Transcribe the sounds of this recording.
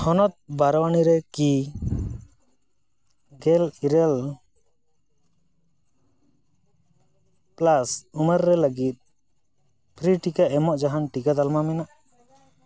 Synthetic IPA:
hɔnɔt̪̚baɾwaniɾɛki | ɡɛliɾɛl | plasuməɾːɛləɡit̪̚ | pʰɾiʈikaʔɛmɔʔd͡ʒaɦanʈikad̪almamɛnaʔ

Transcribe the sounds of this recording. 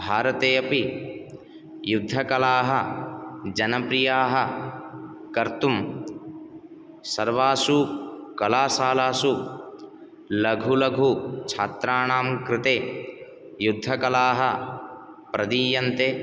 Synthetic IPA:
bʱaːɾɐt̪eːɐpi | jud̪ʱːɐkɐlaːɦɐ | d͡ʒɐnɐpɾijaːɦɐ | kɐɾt̪um | sɐɾʋaːsukɐlaːsaːlaːsu | lɐɡʱulɐɡʱut͡ʃʰaːt̪ɾaːɳaːmkɾɪt̪eː | jud̪ʱːɐkɐlaːɦɐ | pɾɐd̪iːjɐnt̪eː

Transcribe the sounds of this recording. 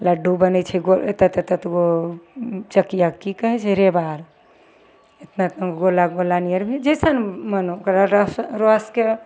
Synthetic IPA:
ləɖubənɛt͡ʃʰɛɡot̪ət̪ət̪ət̪ɡo | t͡ʃəkːijakikəɦɛt͡ʃʰɛɾebaɾ | et̪nat̪ɡolaɡolanijəɾbʱid͡ʒəjsanmənookɾaɾasɾoske

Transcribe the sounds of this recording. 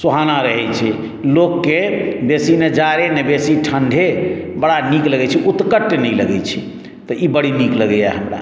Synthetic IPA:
soɦanaɾəɦɛt͡ʃʰɛ | lokːebesined͡ʒaɾenebesiʈʰəɳɖʱebəɽanikləɡɛt͡ʃʰiʔut̪kəʈːnɛjləɡɛt͡ʃʰi | t̪ɔibəɽ̤inikləɡɛja̰ɦəmɾa̰

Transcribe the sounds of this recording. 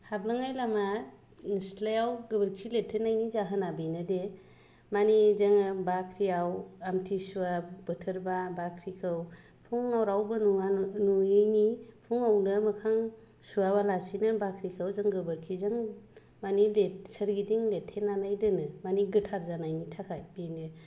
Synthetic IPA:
hablɯŋajlama | nslajawɡɯbəɾkʰiletʰːenːajnizaɦɯnabinɯde | manizaŋbakʰɾiawamtʰisuabɯtʰɯɾbabakʰɾikʰɯw | pʰuŋawɾawbɯnuanuijnipʰuŋawnɯmɯkʰaŋ | suabalasinɯbakʰɾikʰawzaŋɡɯbɯɾkʰizaŋ | manilet̚səɾɡidiŋletʰːenːanajdɯnɯmaniɡɯtʰaɾzanajnitʰakʰajbinɯ

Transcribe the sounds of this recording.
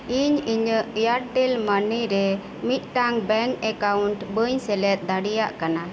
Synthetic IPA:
iɲiɲəʔjaɾʈɛlmaniɾɛ | mit̪̚ˀʈaŋbɛŋkɛkawuɳʈbəɲsɛlɛt̪̚ˀd̪aɽijaʔkana

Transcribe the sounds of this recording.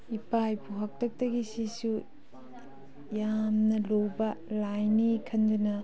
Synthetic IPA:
ipajpʰuɦak̚tʰɐk̚tɐɡisisu | jamnɐlowbɐlajnikʰɐndunɐ

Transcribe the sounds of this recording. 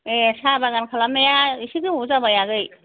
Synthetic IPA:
esabaɡankʰalamejaisiɡɯuzabajaɡɯj

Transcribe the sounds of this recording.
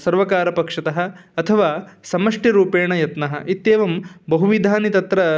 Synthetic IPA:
sɐɾʋɐkaːɾɐpɐkʂɐt̪ɐɦɐ̆ɐt̪ʰɐʋaːsɐmɐʂʈiɾuːpeːɳɐjɐt̪nɐɦɐ̰ʔit̪ːeːʋɐmbɐɦuʋid̪ʱaːnit̪ɐt̪ɾɐ

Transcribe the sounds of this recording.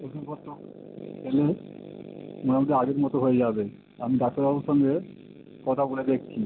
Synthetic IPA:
oʃukɔt̪ːok | pʰele | onamad̪eaɡeɾmɔt̪oɦojed͡ʑabe | amid̪asoɾaboʃɔŋɡe | kɔt̪ʰaboled̪ek̚ʰt͡ɕʰi

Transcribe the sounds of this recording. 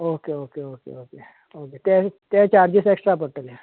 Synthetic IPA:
oːkeoːkeoːkḛoːkeː | oːket̪et̪eːt͡ʃaːɾd͡ʒɪseːksʈɾapɔːɾʈəlɦɛ̃ː

